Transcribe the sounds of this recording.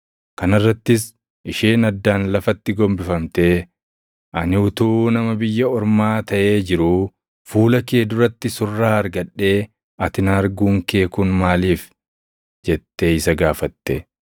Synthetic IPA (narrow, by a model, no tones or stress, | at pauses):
kɐnɪrːɐt̪ːɪs | ʔɪʃeːnɐd̪ːaːnlɐfɐt̪ːɪɡɔmbɪfɐmt̪eː | ʔɐnɪʊt̪uːnɐmɐbɪjːɐɔɾmaːt̪ɐʔe̞ːd͡ʒɪɾʊ | fuːlɐke̞ːd̪ʊrɐt̪ːɪsʊrːaːɐɾɡɐᶑːe̞ː | ɐt̪ɪnɐɐɾɡuːŋke̞ːkunmaːliːf | d͡ʒɛt̪ːeːɪsɐɡaːfɐt̪ːɛ